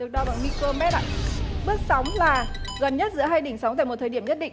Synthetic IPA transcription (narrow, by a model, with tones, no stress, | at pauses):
ɗɨ˨˩ək̚ɗɔ˨˧˦ɓa̰˧˨nmi˧ko˧mɛ˦˥t̚ʔa̰ː˧˨ɓɨ˦˥ət̚sa˨˦wŋ͡mlaː˨˩ɣə˨˩nɲə˦˥t̚zɨ̰˧˥əɦaː˧jɗï˧˩ŋ̟sa˨˦wt̪a̰ː˧˨jm˨˩t̪̚ʰəː˨˩ɗi˧˩əmɲə˦˥t̚ɗḭ̈˧˨ŋ